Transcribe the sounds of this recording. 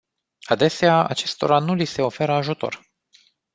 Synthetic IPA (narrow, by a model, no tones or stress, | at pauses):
ad̪e̞seaa̰t͡ʃe̞st̪o̞ɾanulise̞o̞fe̞ɾəaʒut̪o̞̰r